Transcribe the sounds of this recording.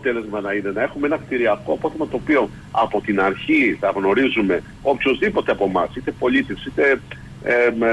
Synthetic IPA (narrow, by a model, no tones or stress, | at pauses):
ot̪e̞le̞zmɐnɐine̞nɐe̞xumeenɐxt̪iɾiɐko̞po̞θe̞mɐt̪oːpio̞ | ɐ̰po̞t̪inɐɾçiθɐɣno̞ɾizume̞ | o̞pço̞zðipo̞t̪eɐpo̞mɐsit̪e̞po̞lit̪efsit̪e̞